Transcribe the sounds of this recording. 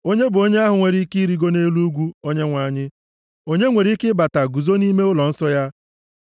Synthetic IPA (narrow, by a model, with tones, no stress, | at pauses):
o˦ɲe˦bʊ˨o˦ɲe˦a˦ɦʊ˨ŋʷe˨ɾi˦ki˦ɾi˨˦ɡo˦ne˦lu˦ɡʷu˦o˦ɲe˦ŋʷa˨ɲɪ˦ | o˦ɲe˦ŋʷe˨ɾi˦kɪ˦ba˨ta˨ɡu˨zo˦ni˦me˦ʊ˦lɔ˨n̩˦sɔ˦ja˦